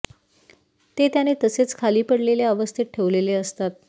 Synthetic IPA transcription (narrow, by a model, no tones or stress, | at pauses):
t̪et̪janet̪əset͡skʰaliːpəɽleljaəʋəst̪ʰit̪̚ʈʰeʋleleəst̪at̪̚